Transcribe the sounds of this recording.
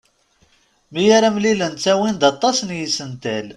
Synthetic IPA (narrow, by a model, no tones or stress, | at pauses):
mijaɾamlilənt͡sæwind̪ɑt̪ˤːɑsnjisənt̪æl